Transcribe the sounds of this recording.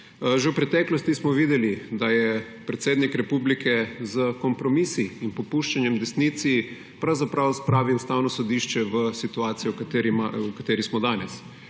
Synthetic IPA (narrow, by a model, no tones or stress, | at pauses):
ʒɛwpɾɛt̪ɛːklɔst̪ismɔʋiːd̪ɛlid̪ajɛ | pɾɛt̪seːd̪nikɾɛpublikʰɛzəkɔmpɾɔmisiːnpɔpuʃt͡ʃanjɛmd̪ɛsnit̪si | pɾawzapɾawspɾaːʋiust̪aːwnɔsɔd̪iʃt͡ʃɛʋəsit̪uaːt̪sijɔkat̪eɾiaukat̪eːɾismɔd̪aːnɛs